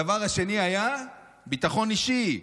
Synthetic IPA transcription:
avaʁhaʃe̞niaja | bit̪aχo̞niʃi

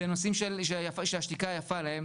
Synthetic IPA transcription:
eno̞simʃelʃejafaʃeaʃtikajafalahem

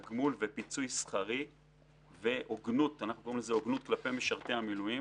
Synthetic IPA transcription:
ɡmulvepit͡sujsχaʁi | ve̞ʔoɡnut̪anaχnukoʁimlezeoɡnut̪̚klape̞meʃaʁt̪e̞hamiluji

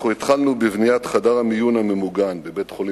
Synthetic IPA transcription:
oit̪χalnubevnijat̪χadaʁamijunamemuɡanbebe̞t̪χoli

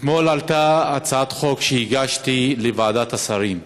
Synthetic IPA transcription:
et̪mo̞lalt̪aːt͡saat̪χo̞kʃeiɡaʃt̪ilevaːd̪at̪asaʁim

